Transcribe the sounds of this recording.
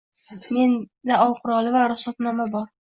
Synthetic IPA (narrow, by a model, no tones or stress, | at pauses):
me̞nd̪aɒwqʰʊɾɒlˠɪvaɾʊsɒt̪nɒmabɒɾ